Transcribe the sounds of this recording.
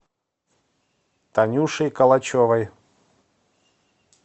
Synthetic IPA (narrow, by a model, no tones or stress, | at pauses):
t̪ɐnʲuʂɨjkɐlˠɐt͡ɕovɐj